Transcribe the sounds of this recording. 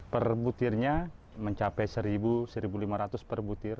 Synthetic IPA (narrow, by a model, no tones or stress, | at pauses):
pərbut̪ɪrɲa | məɲt͡ʃapɛjsəɾibusəɾibulimaɾat̪ʊspərbut̪ɪr